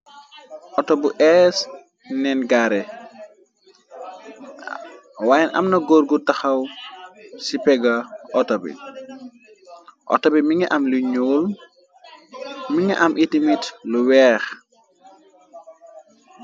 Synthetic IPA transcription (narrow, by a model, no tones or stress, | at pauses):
ʔɔtɔbuʔɛs | nɛnɡaɾɛ | wajɛnʔɐ̰mnɐɡoɾɡutɐxɐw | sipɛɡɐʔɔtɔbḭ | ʔɔ̰tɔbimiŋɛʔɐmliɲoːl | miŋɛʔɐmʔitimitluwɛːx